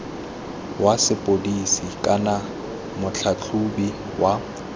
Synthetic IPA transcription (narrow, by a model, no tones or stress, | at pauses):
wasɪpʼodisikʼana | mʊt͡ɬʰat͡ɬʰubi | wa